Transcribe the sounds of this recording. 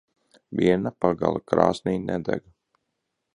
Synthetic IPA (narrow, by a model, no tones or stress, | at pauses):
vʲiɛnapaɡa̰lˠakɾa̰ːsnʲiːnɛd̪ɛɡ